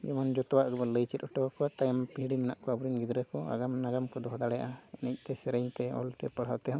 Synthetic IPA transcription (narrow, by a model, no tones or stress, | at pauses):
jɛ̰mand͡ʒɔt̪ɔwaʔɡəbaləjt͡ʃɛt̪̚ˀɔʈɔwakɔwat̪ajampiɦɽimɛna̰ʔkɔabuɾinɡid̪ɾəkɔa̰ɡamnaɡamkɔd̪ɔɦɔd̪aɽɛjaʔaɛnɛc̚ˀt̪ɛsɛɾəjɲt̪ɛɔ̰lt̪ɛpəɽ̤ɦawt̪ɛɦɔ̃